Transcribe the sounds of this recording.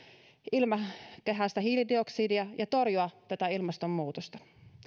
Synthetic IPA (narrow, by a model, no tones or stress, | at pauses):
ilmɑkeɦæːst̪æɦhiːlidioksiːdiɑjʔɑt̪orjuɑt̪æt̪æilmɑst̪omːuːt̪ost̪ɑ̥